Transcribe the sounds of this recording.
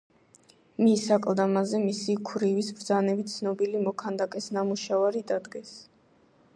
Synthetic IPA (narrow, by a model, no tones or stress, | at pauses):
misakʼlˠd̪amazɛmisikʰɾivisbɾd̪zanɛbit̪sʰnɔbilimɔkʰand̪akʼɛsnamuʃavaɾid̪ad̪ɡɛs